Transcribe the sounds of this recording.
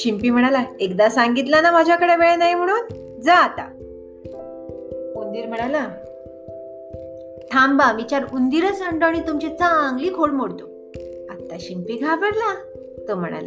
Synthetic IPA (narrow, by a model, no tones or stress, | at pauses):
ɕimpiːm̤əɽ̃alaekd̪asaŋɡit̪lanamad͡ʑʱjakəɽebeɭenaɦim̤əɽ̃uːn | d͡zaːt̪a̰ | und̪iːɾm̤əɽ̃ala | ʈ̪ʰambamit͡ɕaɾund̪iɾəsəɳʈoaɽ̃it̪umt͡ɕet͡saãŋɡliːkʰolmoɽt̪o | at̪aɕimpiːɡʱabəɽla | t̪om̤əɽ̃a̰la̰